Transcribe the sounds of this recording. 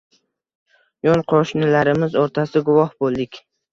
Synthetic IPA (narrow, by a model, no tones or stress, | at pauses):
jonqʰoʃnɪlaɾɪmɪzoɾt̪ʰasɪɡʊvɒhbolˠd̪ɪkʲ